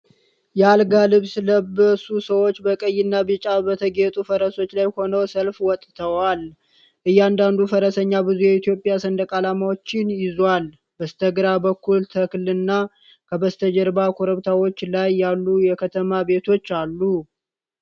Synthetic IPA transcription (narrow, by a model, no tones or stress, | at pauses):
jɛalɡalɨβsləbəsusəwo̞t͡ʃːbəkʼəjːɪnːabɨt͡ʃʼabət̪ʰəɡet̪ʼufəɾəso̞t͡ʃːlajho̞nəwsəlfwɔt̪ʼt̪ʰəwal | ʔɨjːɛand̪and̪ufəɾəsəɲːabɨzujɛit̪jo̞pʼːjasənd̪əkʼalamawot͡ʃːɪnjɪzwal | b̥əst̪ʰəɡɾabəkːult̪ʰəkɨlɨnːa | kʰəbəst̪ʰəd͡ʒəɾbakʰoɾəβt̪ʰawo̞t͡ʃːlajːalːujɛkʰət̪ʰəmabe̞t̪ʰo̞t͡ʃːalːu